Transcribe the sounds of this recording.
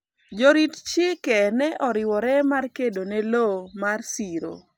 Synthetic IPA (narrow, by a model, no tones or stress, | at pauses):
d͡ʒɔɾitt͡ʃɪkɛnɛʔɔɾɪwɔɾɛmarkedonelomarsiɾo̰